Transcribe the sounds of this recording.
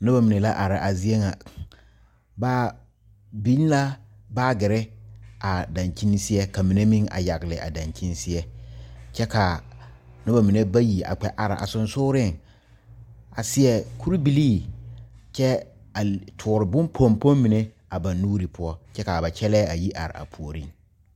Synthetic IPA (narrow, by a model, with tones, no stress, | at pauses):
nʊ˦ba˨mi˨ne˨la˦ʔa˨ɾɪ˨ʔa˨zi˦e˦ŋa˨ | baː˦ | bi˦n˦la˦ | baː˦ɡɪ˨ɾɪ˦a˨da˨nt͡ʃi˦ni˦sɪ˦ɛ˦ka˨mi˨ne˦mɪ˦ŋa̰˨ja˨ɣɪ˨lɪ˨ʔa̰˨da˨nt͡ʃi˦n˦sɪ˦ɛ˦t͡ʃɛ˦ka˨ | nʊ˦ba˨mi˨ne˦ba˦ji˨a̰˨k͡pɛ˨ʔa˨ɾɪ̰˨ʔa̰˨sʊ˨nsʊː˦ɾɪ˦ŋ | a˨sɪ˨ɛ˨kʰu˦ɾi˦bi˨liː˦˨ | t͡ʃɛ˦a˨tʰʊː˨ɾɪ˨bʊ̃˦npʰo˦mpo˦mmi˨ne˦ | a˨ba˨nːuː˦ɾi˨pʰʊ˦ɔ˦t͡ʃɛ˦ka˨ba˨t͡ʃʰɛ˦lɛː˦a˨ji˦ʔa̰˨ɾɪ̰˨a̰˨pʰu˨o˨ɾi˦ŋ